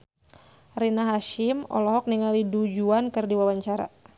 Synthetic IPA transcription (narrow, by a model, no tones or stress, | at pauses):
rinaɦaʃɪmɔ̰lɔɦɔk̚niŋalidud͡ʒuankɨrdiwawaɲt͡ʃaɾa̰